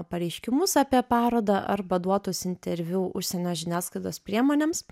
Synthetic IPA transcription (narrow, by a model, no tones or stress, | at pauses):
pɐɾʲɛɪʃʲkʲɪmʊsɑːpʲiɛpɑːɾoːd̪ɐʔɐɾbɐd̪uɔt̪ʊːsɪnʲt̪ʲɛɾʲʋʲuːʔʊʃʲsʲɛnʲoːʒʲɪnʲæːsklɐɪt̪oːspʲɾʲiɛmoːnʲeːms